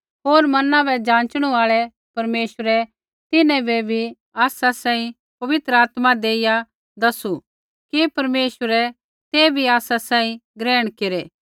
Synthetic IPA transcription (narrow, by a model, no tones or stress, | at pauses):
ɦoːɾmɐnãbɛd͡ʒãːnt͡ʃɽ̃uaːɭɛ | pɐɾmeːʃəɾɛ | t̪ɪnɛ̃bʱɛbʱi | aːsasãːĩ | pɐʋɪt̪ɾəaːt̪mad̪eːɪja | d̪ɐsu | kipɐɾmeːʃəɾɛ | t̪eːbʱiaːsasãːĩɡɾɛːɽ̃keɾeː